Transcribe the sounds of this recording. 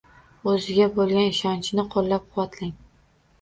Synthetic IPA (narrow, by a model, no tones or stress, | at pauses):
ɵzɪɡʲabolˠɡʲanɪʃɒnt͡ʃʰɪnɪqʰolːap̚qʰʊwat̪ʰlɪŋ